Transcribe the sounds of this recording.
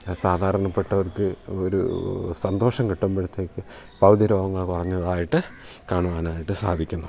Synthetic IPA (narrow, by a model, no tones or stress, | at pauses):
saːd̪ʱaːɾɐɳɐpːeʈːɐʋɐrkɨoɾṵsɐnd̪o̞ːʂɐmkiʈːumbeɽut̪ːeːkːɨ | pɐwd̪iɾo̞ːɡɐŋːɐɭkurɐɲːɐðaːjiʈːɨ | kaːɳuʋaːnaːjiʈːɨsaːd̪ʱikʲːunːɐ